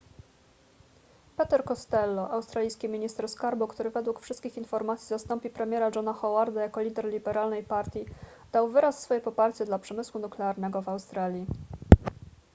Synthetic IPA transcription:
pɛt̪ɛɾkɔst̪ɛlːɔʔawst̪ɾalʲijskʲimʲiɲist̪ɛɾskaɾbukt̪uɾɘvɛd̪wukfʂɘst̪̚kʲixinfɔɾmat̪sʲizast̪ɔmpʲipɾɛmʲjɛɾad͡ʐɔnaxɔwaɾd̪ajakɔlʲid̪ɛɾlʲibɛɾalnɛjpaɾt̪ʲji | d̪̥awvɘɾasːfɔjɛpɔpaɾt͡ɕɛd̪lapʂɛmɘswunuklɛaɾnɛɡɔvawst̪ɾalʲji

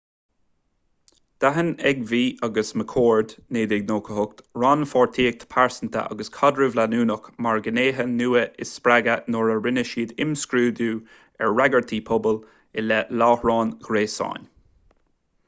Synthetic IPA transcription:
d̪̥aɦənɛɡviːɑɡəsməkʰoːɹd̪neːd̪ɪɡ̚noːkʰəhʊk̚t̪ɹaːnfɔːɹt̪ʰiːək̚t̪ʰə̥pʰaɹsənt̪ʰə̰ʔɑ̰ɡəskʰɔd̪ɹɪvlanuːnəkmaɹɡəneːɦənuːəɪspɾaɡənoɹəɹɪnəʃiːd̪ɪmskɾuːd̪uː | ɛɹːaɡəɹt̪ʰiːpʰɔbəl | ɪlɛlɑːhɹɑːnɡ̥ɾeːsa̰ːn

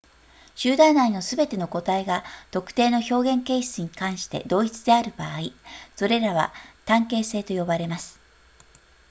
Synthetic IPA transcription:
ɕɨːd̪ãinaino̞sɨbe̞t̪e̞no̞ko̞t̪aiɡat̪o̞kɯ̥t̪e̞ːno̞ço̞ːɡẽ̞ŋke̞ːɕt͡sɨɲ̟ikãɰ̃ɕi̥t̪e̞̰d̪o̞ːit͡sɨd̪e̞aɾɯ̟baːiso̞ɾe̞ɾaβ̞a̰t̪ãŋke̞ːse̞ːt̪o̞jo̞baɾe̞masɨ̥

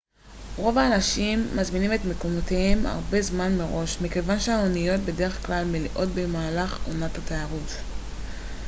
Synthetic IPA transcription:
ʁo̞vaːnaʃimːazminime̞tmeko̞motema̰ʁbe̞zmanme̞ʁo̞ʃmike̞vanʃeaonijot̚be̞de̞ʁe̞χklalmeliʔo̞tbe̞maːlaχonathatajaʁut

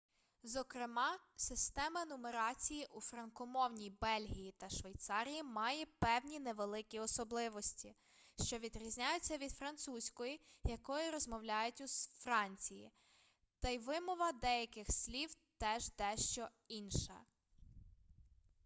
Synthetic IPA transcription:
zɔkɾɪmɑsɪst̪ɛmɐnʊmeɾɑt͡sʲijiʔufɾɐnkɔmɔwnʲibɛlʲɦijit̪ɐʃʋejt̪sɑɾʲijimɑjɛpɛwnʲineʋelˠɪkʲiɔsɔblˠɪʋɔsʲtʲi | ʃt͡ʃɔʋʲid̪ɾʲizʲnʲajʊt͡sʲːɐʋʲid̪fɾɐnt̪susʲkɔjijɐkɔjʊɾɔzmɔwlʲajʊtʲusfɾɑnʲt͡sʲijḭ | t̪ɐjʋɪmɔʋɐd̪ɛjɐkɪxsʲlʲiw | t̪ɛʒd̪ɛʃt͡ʃɔ | inʃɐ̰

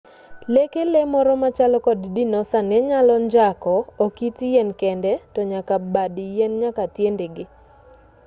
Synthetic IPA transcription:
lekelemɔɾɔmat͡ʃalɔkɔddinɔsanɛɲalɔɲd͡ʒakɔokitjɛnkɛndɛtɔɲakabadijɛnɲakatjendeɡɪ

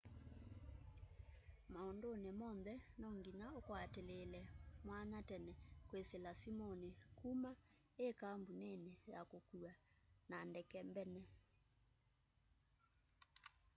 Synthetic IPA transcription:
maondonemɔnðɛnɔŋɡinaokwatelelɛmwanatɛnɛkweselasimɔnekuma | ekambunenejakokua | nandɛkɛmbɛnɛ

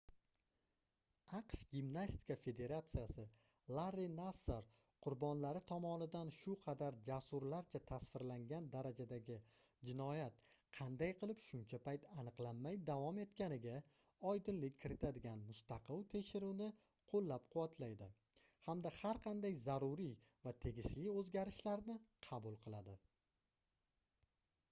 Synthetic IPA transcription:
ɑqʃɡʲimnasʲt̪ɪ̥kafe̞d̪e̞ɾat̪sijasɪ | lˠaɾːinasːaɾ | qʰʊɾbɒnlaɾɪt̪ʰɒmɒnɪd̪anʃʊqʰɑd̪aɾd͡ʒasʊɾlaɾt͡ʃʰat̪ʰasfɪɾlaŋɡʲand̪aɾad͡ʒad̪aɡʲɪd͡ʒɪnɒjat̪qʰɑnd̪ajqʰɨlˠɪpʃʊnt͡ʃʰapʰajt̪ʰanɨqlˠanːajd̪avɒme̞t̪kʲanɪɡʲa | ɒjd̪ɪnlɪkʲʰːɪɾɪt̪ʰad̪ɪɡʲanmʊst̪ɑqʰɨlˠt̪ʰe̞ʃɪɾuwnɪ | qʰolːap̚qʰʊvat̪ʰlajd̪ɪ | hamd̪ahaɾqʰɑnd̪ajzaɾʊɾivat̪ʰe̞ɡʲɪʃlɪɵzɡʲaɾɪʃlaɾnɪqʰɑbʊlˠqʰɨlˠad̪ɪ

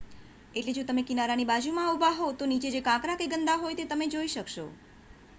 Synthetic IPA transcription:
eʈled͡ʒot̪əmekinaɾanibad͡ʒumãubʱaɦot̪onit͡ʃed͡ʒekãkɾakeɡənd̪aɦojt̪et̪əmed͡ʒoiʃəkʃo

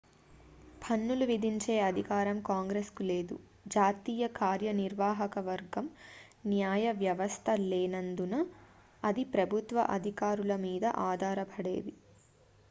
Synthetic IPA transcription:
pʰɐnːuluʋid̪ʱiɲt͡ʃe̞ːɐd̪ʱikaːɾɐmkaːŋɡɾeskule̞ːd̪u | d͡ʒaːt̪iːjɐkaːɾjɐniɾʋaːɦɐkɐʋɐɾɡɐm | njaːjɐʋjɐʋɐst̪ʰɐleːnɐnd̪unɐ | ɐd̪ipɾɐbʱut̪ʋɐ̰ʔɐd̪ʱikaːɾulɐmiːd̪ɐ̰ʔaːd̪ʱaːɾɐbʰʱɐɽḛːd̪i

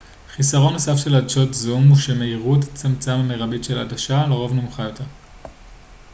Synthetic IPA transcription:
χisaʁo̞nːosafʃe̞ladʃo̞tzumuʃeme̞iʁuetḁt͡samt͡samameʁabitʃe̞laadaʃaleʁo̞vnomuχajo̞te̞ʁ

